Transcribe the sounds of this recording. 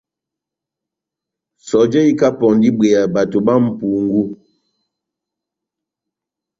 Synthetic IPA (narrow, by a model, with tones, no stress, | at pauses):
sɔ˨d͡ʒɛ˦i˦ka˦pɔ˨ndi˦be˨a˨ba˨to˨ba˦m̩˨pu˨ŋɡu˦